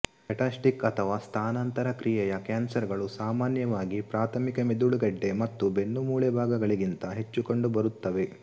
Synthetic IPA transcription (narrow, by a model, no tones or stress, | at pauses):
kɐʈaːsʈikɐt̪ʰɐʋaːst̪ʰaːnɐnt̪ɐɾɐkɾijɛjɐkaːnsɐɾɡɐɭusaːmaːnjɐʋaːɡipɾaːt̪ʰɐmikɐmed̪uɭuɡɐɖːe̞mɐt̪ːube̞nːumuːɭɛbʱaːɡɐɡɐɭiɡint̪ɐɦe̞t͡ʃːuko̞ɳɖubɐɾut̪ːɐʋe̞